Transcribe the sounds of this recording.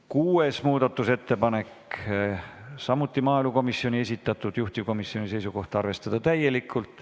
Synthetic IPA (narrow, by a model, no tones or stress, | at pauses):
kuːe̞smuːd̪̥ɑt̪ːˑuse̞t̪ːe̞pɑne̞k | sɑmːut̪ːˑimɑːeluko̞misːio̞nie̞s̬ʲit̪ːˑɑt̪ːˑud̪̥juht̪iko̞misːio̞nʲise̞jsuko̞ht̪ɑrve̞st̪ɑd̪̥ɑt̪æje̞likʰːˑult̪ˑ